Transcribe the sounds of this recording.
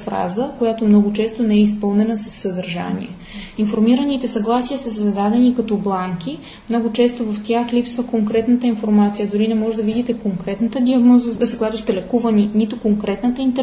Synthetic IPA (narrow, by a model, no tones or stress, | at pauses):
fɾa̰zəkojat̪omnɔɡʊt͡ʃɛst̪onɛɛispɤlˠnɛnəsə̥sːəd̪əɾʒa̰nʲḭɛ | infoɾmiɾənit̪ɛsɐɡlˠasijəsəszɐd̪ad̪ɛnikɐt̪ɔblˠaŋki | mnɔɡʊt͡ʃɛst̪ovɐft̪ʲjaxlipsvəkoŋkɾɛt̪nət̪əinfoɾmat̪sijəd̪ʊɾinɛmɔʒɛd̪əvid̪it̪ɛkoŋkɾɛt̪nət̪əd̪ʲiɐɡnɔzəskojat̪ost̪ɛlɛkuvəninit̪okoŋkɾɛt̪nət̪əint̪ɛ